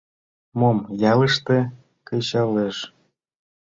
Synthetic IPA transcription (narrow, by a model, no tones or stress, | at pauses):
momjɑləʃt̪ĕ | kɤ̆ɕɑleʃ